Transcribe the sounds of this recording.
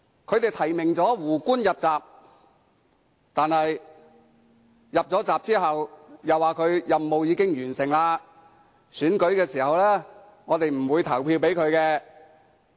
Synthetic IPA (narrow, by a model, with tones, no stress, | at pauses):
kʰɵ˨˧ɥt̪e˨jt̪ʰɐ˨˩jmɪ˨˩ŋt͡sɔː˨˥wuː˨˩kʷuː˥njɐ˨p̚t͡saː˨p̚ | t̪aː˨nhɐ˨j | jɐ˨p̚t͡sɔː˨˥t͡saː˨p̚t͡siː˥ɦɐ˨wjɐ˨waː˨kʰɵ˨˧ɥjɐ˨mːo˨wjiː˨˧kɪ˥ŋjyː˨˩nsɪ˨˩ŋlaː˧ | syː˨˥nkɵ˨˥ɥkɛː˧siː˨˩hɐ˨wlɛː˥ | ŋɔː˨˧t̪e˨jm̩˨˩wuː˨˧jt̪ʰɐ˨˩wpʰiː˧wpe˨˥jkʰɵ˨˧ɥkɛː˧